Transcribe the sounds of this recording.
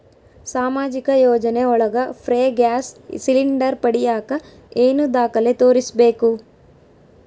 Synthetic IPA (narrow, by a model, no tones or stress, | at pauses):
saːmaːd͡ʒikɐjoːd͡ʒɐneɔɭɐɡɐpʰɾeːɡaːssiliɳɖɐɾpɐɽijaːkɐ | eːnud̪aːkɐlet̪o̞ːɾisbe̞ːku